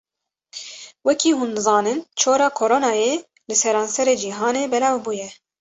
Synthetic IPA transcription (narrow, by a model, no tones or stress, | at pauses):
wɛkiːhũnzɑːnɨnt͡ʃʰoːɾɑːkʰoɾoːnɑːjeː | lɨsɛɾɑːnsɛɾeːd͡ʒiːɦɑːneːbɛlɑːvbuːjɛ